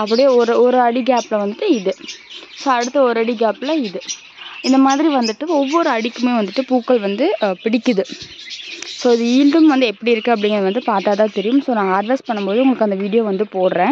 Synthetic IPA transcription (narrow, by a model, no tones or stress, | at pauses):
ɐpːɐɽɪjeːɔɾɯɔɾɯɐɽiɡaːplɐʋɐnd̪ɯʈːɯɪðɯsoːɐɽɯt̪ːɐɔɾɯɐɽiɡaːplɐɪðɯ | ɪnd̪ɐmaːðɪɾiʋɐnd̪ɯʈːɯɔʋːɔɾɯɐɽɪkːɯmeːʋɐnd̪ɯʈːɯpuːkːɐɭʋɐnd̪ɯpɪɽɪkːɯðɯ | soːɪðɯiːlɖɯmʋɐnd̪ɯɛpːɐɽiɪɾɯkːɯ̃ɐpːɐɽɪŋɡɾɐðɐʋɐnd̪ɯpaːʈːaːt̪ãːt̪ɛɾɪjɯmsoːnãːaːɖʋɐspɐɳːɯmpoːðɯʊŋɡɐɭɯkːɐnd̪ɐʋiːɽɪjoːʋɐnd̪ɯpoːɽɯɾẽː